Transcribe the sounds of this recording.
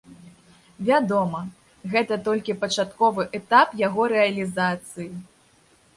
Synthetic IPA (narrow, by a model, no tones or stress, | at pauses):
vʲad̪ɔmɐ | ɣɛt̪ɐt̪ɔlʲkʲipɐt͡ʂat̪kɔvɨʔɛt̪apjaɣɔɾɛɐlʲizat̪sɨji